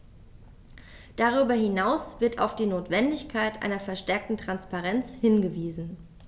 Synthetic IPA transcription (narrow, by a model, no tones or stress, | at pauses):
d̥aʁ̞yːbɐhɪnaʊsv̥ɪɐta̰ʊfd̥iːnoːtv̥ɛndɪçkʰaɪtʔa̰ɪnɐfɛɐʃtɛɐk̚tn̩tʁ̥anspaʁɛnt͡shɪnɡəviːzn̩